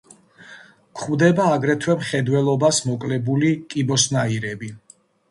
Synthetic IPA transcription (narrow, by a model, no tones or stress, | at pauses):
kʰχuwd̪ɛbaːɡɾɛt̪ʰwɛmχɛd̪wɛlˠɔbasmɔkʼlɛbulikʼibɔsnaiɾɛbi